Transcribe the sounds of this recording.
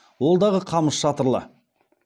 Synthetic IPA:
wo̞lˠd̪ɑʁəqʰɑməsʃɑt̪əɾlˠə̰

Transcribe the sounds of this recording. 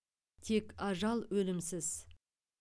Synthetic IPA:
t̪ʰe̞kɑʒɑlˠwɵlɪmsɪz̥

